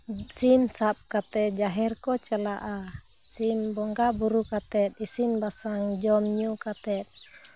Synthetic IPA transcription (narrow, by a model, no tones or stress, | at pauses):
sinsap̚kat̪ɛd͡ʒaɦɛrkɔt͡ʃəlaʔa | sinbɔŋɡabuɾukat̪ɛt̪̚isinbasaŋd͡ʒɔmɲukat̪ɛt̪̚